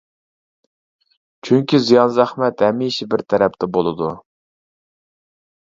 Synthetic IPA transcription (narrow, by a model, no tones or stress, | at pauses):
t͡ʃʰyŋkʲizijɑnzæχmɛt̪hɛmiʃɪbɪɾt̪ʰæɾɛpt̪ʰɛbolˠɨd̪u